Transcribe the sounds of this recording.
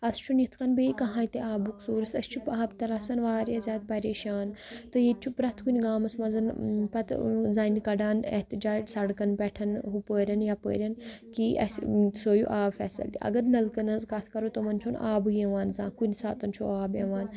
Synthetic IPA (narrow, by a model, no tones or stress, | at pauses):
ɐst͡ʃʰunjit̪ʰkɐnbeːkɐɦãːit̪eaːbuksuːɾɐsɐ̰st͡ʃʰupaːbt̪ɐɾaːsɐnʋaːɾjazʲaːd̪̚pɐɾeːʃaːnt̪ɨjet͡ʃʰupɾɐt̪ʰkunʲɡaːmɐsmɐnzɐnpɐt̪zaːnʲkɐɖaːnḛht̪id͡ʒaːd͡ʒsɐɽkɐnpɛʈʰɐnɦupəːɾʲɐnjapə̰ːɾʲɐnkiʔɐ̰ssoːjṵʔaːbfʲɛ̰ːsɐ̰lt̪ḭɐ̰ɡɐɾnɐlkɐnɐzkɐt̪ʰkɐɾoːt̪omɐnt͡ʃʰoːna̰ːbuẽʋaːnzaːkunʲsa̰ːt̪ɐnt͡ʃʰo̰aːbeʋaːn